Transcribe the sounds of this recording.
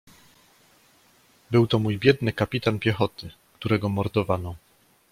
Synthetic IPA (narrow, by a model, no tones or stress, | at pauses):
bɘwt̪ɔmujbʲjɛd̪nɘkapʲit̪anpʲjɛxɔt̪ɘ | kt̪uɾɛɡɔmɔɾd̪ɔvanɔ